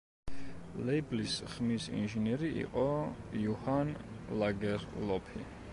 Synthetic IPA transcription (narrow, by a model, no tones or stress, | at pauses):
lɛiblisχmisḭnʒinɛɾiʔḭqʼɔjuhanlaɡɛɾlɔpʰi